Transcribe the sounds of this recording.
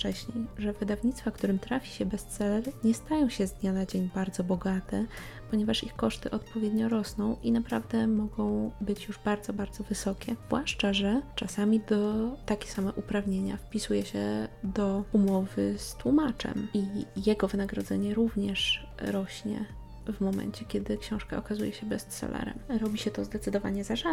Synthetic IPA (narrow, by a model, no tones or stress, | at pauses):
ft͡ʂɛɕɲḛjʐɛvɘd̪avɲit̪st̪fakt̪uɾɘmt̪ɾafʲi̥ɕɛbɛst̪sɛlɛɾɲɛst̪ajɔ̃w̃ɕɛzd̪ɲanad͡ʑeɲbaɾd̪zɔbɔɡat̪ɛ | pɔɲɛvaʂixkɔʂt̪ɘʔɔt̪pɔvʲjed̪ɲɔɾɔsnɔ̃w̃inapɾavd̪ɛmɔɡɔ̃w̃bɘt͡ɕjuʐbaɾd̪zɔbaɾd̪zɔvɘsɔkʲɛvwaʂt͡ʂaʐɛt͡ʂasamʲid̪ɔt̪akʲɛ̥samɛʔupɾavɲeɲa̰fpʲisujɛɕɛ̰d̪ɔumɔvɘst̪wumat͡ʂɛ̰mijɛɡɔvɘnaɡɾɔd̪zɛɲɛɾuvɲɛʂ | ɾɔɕɲɛ̰ | vmɔmɛ̰ɲt͡ɕɛkʲɛd̪ɘkɕɔ̃w̃ʂkaɔkazujɛɕɛbɛst̪sɛ̰lʔɛ̰ɾɛ̰mɾɔbʲiɕɛt̪ɔzd̪ɛt̪sɘd̪ɔva̰ɲɛzaʐa